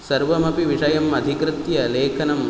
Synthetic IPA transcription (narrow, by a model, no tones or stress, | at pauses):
sɐɾʋɐmɐpiʋiʂɐjɐmɐd̪ʱikɾɪt̪jɐleːkʰɐnɐm